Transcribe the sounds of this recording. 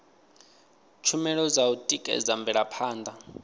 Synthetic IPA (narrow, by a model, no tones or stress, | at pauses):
t͡ʃʰumɛɺɔzautʼikʼɛ̰zambɛɺapʰaːnd̪a